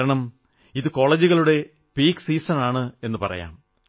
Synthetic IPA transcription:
ɾɐɳɐm | iðɨko̞ːɭeːd͡ʑuɣɐɭuɽe̞ | piːksiːsɐnaːɳɨe̞nːɨpɐ̰rɐ̰ja̰ːm

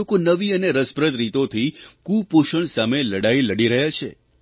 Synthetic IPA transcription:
okonəʋiəneɾəspɾət̪ɾit̪ot̪ʰikupuʃəɳsameləɽailəɽiɾəɦjat͡ʃʰḛ

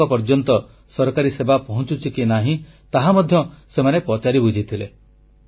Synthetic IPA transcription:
ɔpɔɾd͡ʒɔnt̪ɔ | sɔɾɔkaɾisebapɔɦɔ̃t͡ʃut͡ʃʰikinaɦĩ | t̪aɦamɔd̪ʱjɔsemanepɔt͡ʃaɾibud͡ʒʱit̪ʰile

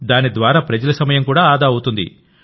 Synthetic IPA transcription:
d̪aːnid̪ʋaːɾaːpɾɐd͡ʒɐlɐsɐmɐjɐmkuːɽaːaːd̪aːɐwut̪und̪ḭ

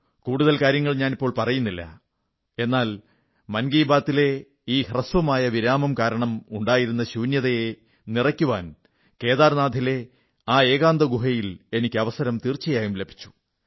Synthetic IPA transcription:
kuːɽuðɐlkaːɾjɐŋːɐɭɲaːnipːo̞ːɭpɐrɐjunːilːɐ̰ | e̞nːaːl | mɐnɡiːbaːt̪ːile̞ | iːhrɐsʋɐmaːjɐʋiɾaːmɐmkaːɾɐɳɐmuɳɖaːjiɾunːɐɕuːnjɐðɐje | nirɐkʲːuʋa̰ːn | ke̞ːðaːrnaːd̪ʱile̞ | aːe̞ːɣaːnd̪ɐɡuɦɐjile̞nikʲːɨɐʋɐsɐɾɐmt̪iːrt͡ɕːɐjaːjumle̞bʱi̥t͡ɕːu̥

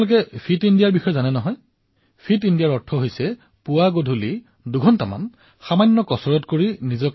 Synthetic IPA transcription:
lʊkɛpʰitindijaɹbixɔjɔzanɛnɔɦɔj | pʰitindijaɹɔtʰːɔɦojsɛ | pʊwaɡodʱuli | duɡʱɔntama̰n | xamanːɔkɔsɔɹɔtkoɹinizɔk

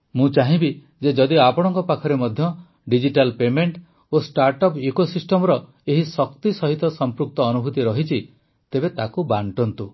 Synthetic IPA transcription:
mũt͡ʃaɦĩbi | d͡ʒed͡ʒɔd̪iapɔɽ̃ɔŋkɔpakʰɔɾemɔd̪ʱjɔ | ɖid͡ʒiʈalpemeɳʈ | osʈaɾʈɔpikosisʈɔmɔɾɔ | eɦisɔkt̪isɔɦit̪ɔsɔmpɾuk̚t̪ɔːnubʱut̪iɾɔɦit͡ʃʰi | t̪ebet̪akubaɳʈɔnt̪u

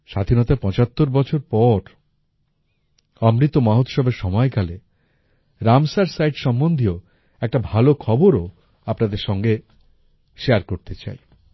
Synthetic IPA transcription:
ʃad̪ʱinɔt̪apɔ̃t͡ɕat̪ːoɾbɔt͡ɕʰoɾpɔɾ | ɔmɾit̪ːomaɦot̪ʃɔbeɾʃɔmɔekale | ɾamsaɾsajʈʃɔmːond̪ʱio | ɛk̚ʈabʱalokʰɔboɾo | apnad̪eɾʃɔŋɡe | ʃeaɾkoɾt̪et͡ɕa̰j

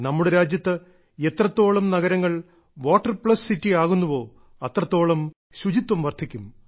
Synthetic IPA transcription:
nɐmːuɽeɾaːd͡ʑjɐt̪ːɨ | e̞t̪rɐt̪ːo̞ːɭɐmnɐɣɐɾɐŋːɐɭ | ʋoːʈːɐrpɭɐssitːiaːɣunːuʋo̞ː | ɐt̪rɐt̪ːo̞ːɭɐm | ɕud͡ʑit̪wɐmʋɐrt̪ʰikʲːum

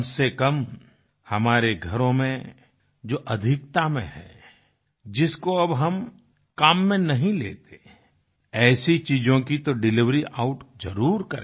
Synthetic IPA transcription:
nsekɐm | hɐmaːɾeɡʱɐɾõmẽ | d͡ʒoːʔɐd̪ʱɪk̚t̪amẽɦɛ̰ː | d͡ʒɪskoɐbɦɐm | kaːmːẽnɐɦĩlḛːt̪e̥ | ɛːsit͡ʃiːd͡ʒõkit̪oɖɪlɪʋɾiʔaːʊʈzɐɾuːɾkɐɾẽ

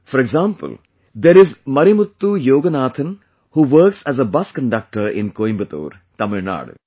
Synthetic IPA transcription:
fɔɾɛɡzãːmpə̰l | d̪eɾɪzmɐɾimʊt̪ːujoːɡənaːt̪ʰə̃n | huːʋəɾksæzəbɐskə̃ɳɖɐk̚ʈəɾɪ̰̃nkoːj̃mbət̪o̰ːɾ | t̪ɐmɪɾna̰ːɽ̰

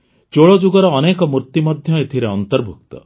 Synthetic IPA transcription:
t͡ʃoɭɔd͡ʒuɡɔɾɔːnekɔmuɾt̪imɔd̪ʱjɔet̪ʰiɾeɔnt̪ɔɾbʱuk̚t̪ɔ̰

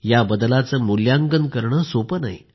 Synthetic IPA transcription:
jabəd̪lat͡səːmuljaŋɡənkəɾɳəːsopəna̰ḭ

